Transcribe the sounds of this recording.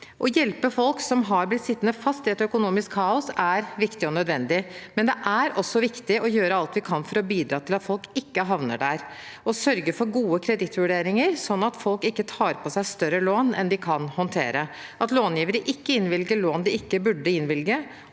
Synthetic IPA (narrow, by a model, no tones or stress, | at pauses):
ʔɔjɛlpəfɔlksɔmɦɑɾblɪt̪sɪt̪ːənəfɑst̪ɪɛt̪œkʊnuːmɪskʰːɑːʊsæɾʋɪkt̪ɪɔnœd̪ʋɛnd̪ɪmɛnd̪ɛʔæɾɔsːɔʋɪkt̪ɪʔɔjøːɾəɑlt̪ʋɪkʰɑnfɔɾɔbiːd̪ɾɑːt̪ʰɪlɑt̪fɔlkɪkːəɦɑʋnə̰ɖæɾ | ɔsœɾɡəfɔɾɡuːəkʰɾɛd̪ɪt̪ʋʉɖeːɾɪŋəɾsɔnːɑt̪fɔlkɪkːət̪ʰɑːɾpʰɔsæɪst̪œɾəloːnɛ̰nd̪ɪkʰɑnhɔnt̪ʰḛːɾə | ʔɑt̪loːnjiːʋəɾəʔɪkːəɪnʋɪlɡəɭoːnd̪ɪɪkːəbʉɖːəɪnʋɪlɡə